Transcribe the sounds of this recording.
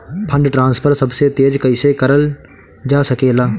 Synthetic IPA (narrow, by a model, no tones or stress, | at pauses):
pʰə̃ɳɖʈɾãːnspʰəɾsəbseːt̪eːd͡ʒkəiːsekəɾəld͡ʒaːsəkeːlaː